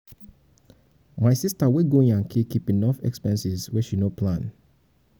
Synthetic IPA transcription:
majsistaweɡoĩŋãnkʰikipĩnɔfɛ̰kspɛ̃nsiswɛʃinopʰlãn

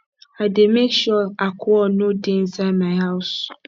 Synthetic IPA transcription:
ademekʃuakʰʊɔnõdɪn̩samãɪhaʊs

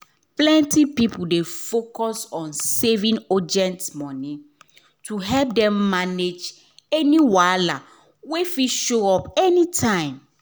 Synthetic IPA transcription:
plɛ̃ntipipudefokɔsɔ̃nsevĩnɔd͡ʒɛ̃ntmɔnĩ | tʰuɦɛlp̚dɛ̃mːaned͡ʒ | ɛniwala | wefiʃoɔpɛnitʰãɪ̃m

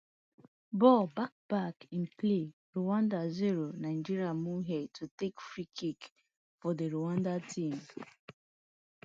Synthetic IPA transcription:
bɔbak̚b̥akĩnple | ɹuwãndaziɹonaɪd͡ʒiɹiamuɦɛd̚tʰutekfɹikʰik | fɔdeɹuwãndatʰĩm

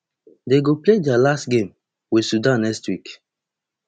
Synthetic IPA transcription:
deɡopledɛalastɡẽm | wisudãnːɛkstwik

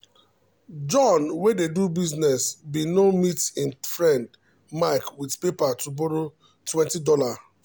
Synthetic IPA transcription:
d͡ʒɔ̃nwededubiznɛsbinomitɪ̃nfɹɛ̃nd | maɪkwidpepatuboɾo | twɛ̃ntidɔla

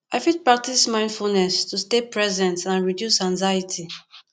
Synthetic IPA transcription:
aɪfid̚pɹak̚tismãɪ̃ndfulnɛstustepɹɛzɛ̃ntãnɹidjusãŋzajitʰi

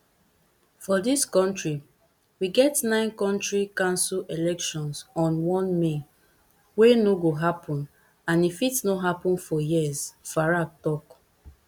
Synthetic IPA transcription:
fɔdiskɔ̃ntɹi | wiɡɛtnãɪ̃nkɔ̃ntɹikãnsulelɛkʃɔ̃nsɔ̃nwɔ̃nme | wenoɡoɦapʰɔ̃n | ãnifitnoɦapɔ̃nfɔjizfaɹak̚tɔk

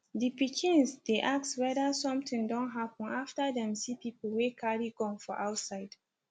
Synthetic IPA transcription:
dipikʰɪ̃nsdeʔakswɛdəsɔ̃mtɪ̃ŋdɔ̃nɦapə̃naftədɛ̃msipipəl̩wekʰaɹiɡɔ̃ŋfɔʔaʊtsaɪd̥

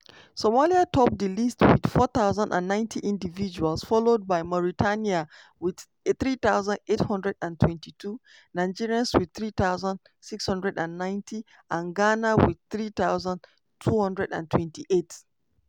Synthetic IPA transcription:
somaliatʰɔp̚dilistʰwid̥fɔt̪aʊzə̃ndã̰nːãɪ̃ntʰiʔĩndivid͡ʒualsfɔlod̚baɪmɔɹitʰania | wɪd | θɹit̪aʊzə̃ndethʌ̃ndɹɛdãntʰwɛ̃ntitʰu | naɪd͡ʒiɹiãnswid̪̚θɹit̪aʊzə̃nd | sikshʌ̃ndɹɛdãnːãɪ̃ntʰi | ʔãnɡanawid̚θɹit̪awzə̃n | tʰuhʌ̃ndɹɛdã̰ntʰwɛ̃ntiʔet

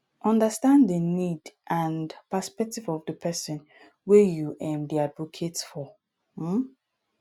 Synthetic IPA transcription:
ʔɔ̃ndəstãnddənidʔãndpɛspɛk̚tivɔvdəpʰɛsɪ̃n | wɛjuʔɛ̃mdiadvokʰetfɔ | m̩

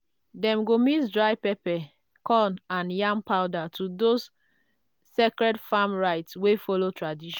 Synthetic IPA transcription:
dɛ̃mɡomisdɹaɪpɛpɛ | kɔ̃nãnjãmpaʊdatʰudosː | ekɹɛdfamɹaɪtswefɔlotʰɹadiʃɔ̃

